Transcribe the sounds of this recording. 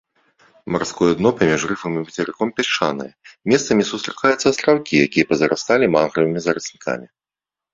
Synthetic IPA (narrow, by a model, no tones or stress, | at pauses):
marskɔjɛd̪nɔpamʲiʂrɨfɐmibɐt͡sʲɛɾɨkɔmpʲɛʂa̰nɨ̰jɛmʲɛst̪sɐmʲisust̪ɾɨ̥kajut̪sːɐst̪ɾawkʲijakʲijɛpɐzɐɾʔa̰st̪alʲimanɣɾɨvɨmʲizɐɾɨsʲnʲika̰mʲi